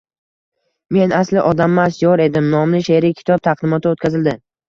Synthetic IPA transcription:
me̞nʔaslɪʔɒd̪amːasjɒɾe̞d̪ɪmnɒmlɪʃeɾikʲʰɪ̥t̪ʰɒb̚t̪ʰaq̚d̪ɪmɒt̪ʰɪot̪̚kʲazɪld̪ɪ

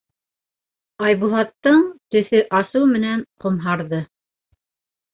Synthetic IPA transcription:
ɑjβulˠɑt̪ːɤɴt̪ɵ̆θɵʔɑsɤwmɘ̆nænqŏmɦɑɾðɤ

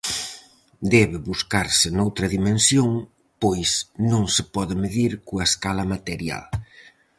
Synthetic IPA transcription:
d̪ɛβɪβuskaɾsɪnowt̪ɾɐðimẽnsjoŋ | pojsnõŋsɪpɔðɪmeðiɾkuaeskalɐmat̪eɾja̰l

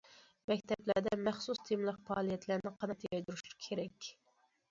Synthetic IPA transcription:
mɛkʲt̪ʰɛplæɾd̪ɛmæχsust̪ʰimlˠəqpɑːlˠijɛt̪læɾnɪqʰɑnɑt̪ʰjɑjd̪uɾuʃu̥kʲʰeɾɛkʲ

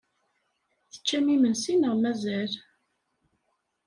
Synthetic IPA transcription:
θə̥t͡ʃːæmimənsinəʁmæzæl

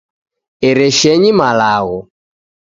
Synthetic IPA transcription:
ɛɾɛʃɛɲimalaɣɔ

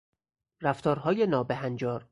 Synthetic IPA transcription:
ræft̪ɒːɾɦɒːjenɒːbeɦænd͡ʒɒːɾ

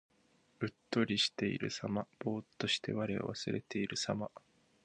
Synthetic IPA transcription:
ɯ̟t̪ːo̞ɾʲiɕi̥t̪e̞ḭɾɯ̟samab̥o̞ːt̪ːo̞ɕi̥t̪e̞̰βaɾeo̰βasɨɾe̞̰t̪e̞iɾɯ̟sama

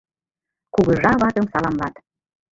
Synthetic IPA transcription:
kuɣə̆ʒɑβɑt̪ə̆msɑlɑmlɑt̪

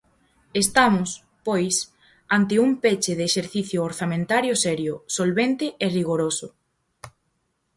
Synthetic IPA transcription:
est̪amʊs | pojs | ant̪ɪumpet͡ʃɪðeːʃeɾθiθjʊːɾθamẽnt̪aɾjosɛɾjʊsolβent̪ɪʔeriɣoɾosʊ

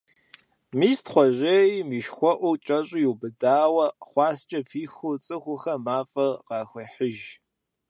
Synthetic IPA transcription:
miːstχʷɔʑejmiːʃxʷɔʔʷut͡ʃʼɐɕʼɪjuwbɨdaːwɐχʷɑːst͡ʃʼɐpʰiːxʊt͡sʼɨxʷʊxɐmaːfʼɐqɑːxʷɐħəʒ

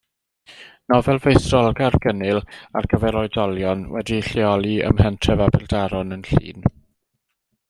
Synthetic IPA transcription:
nɔvɛlˠvejθrɔlˠɡarɡənɪla̰rɡəvɛɾɔɨdɔlˠjɔnwɛdiɬɛɔlˠiə̰mhɛntʰrɛvabɪlˠdaɾɔnənɬḭːn

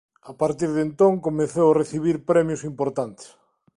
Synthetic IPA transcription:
apaɾt̪iɾðent̪õŋkomẽθewareθiβ̞iɾpɾɛmjosimpoɾt̪ant̪e̥s

